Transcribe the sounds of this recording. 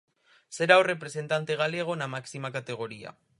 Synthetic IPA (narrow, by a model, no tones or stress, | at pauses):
se̞ɾawre̞pɾe̞se̞nt̪ant̪eɣ̞alieaɣ̞o̞namaksimakat̪e̞ɣ̞o̞ɾia̰